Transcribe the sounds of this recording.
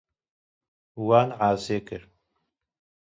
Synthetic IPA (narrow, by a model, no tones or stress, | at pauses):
waːnʕaːzeːkɨɾ